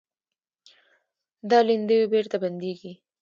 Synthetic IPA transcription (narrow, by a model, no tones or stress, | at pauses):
d̪ɑlind̪əwebeɾt̪aband̪eɡi